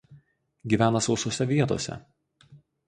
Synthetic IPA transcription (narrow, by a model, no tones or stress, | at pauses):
ɡʲiːʋʲæːnɐsɒʊsoɔsʲɛʋʲiɛt̪o̰ɔsʲɛ̰